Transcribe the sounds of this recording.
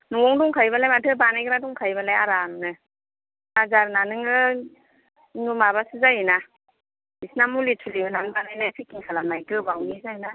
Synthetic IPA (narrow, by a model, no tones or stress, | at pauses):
nuŋɔŋduŋkʰajbalajmatʰɯbanajkɾaduŋkʰajbalajaɾamnɯ | azaɾnanɯŋɯ | ŋumabasɯzajɯna | isnamulitʰuliɯnaŋɯbanajnasʰikiŋkʰalanajkɯbawnizajna